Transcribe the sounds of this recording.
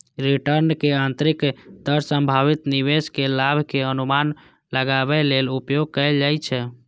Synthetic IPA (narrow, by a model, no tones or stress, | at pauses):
ɾiʈəɾnkeant̪ɾikd̪əɾsə̃mbʱaβit̪niʋeskelabʱkeənuman | ləɡaβɛlelupjoɡ̚kəɪld͡ʒajt͡ʃʰɛ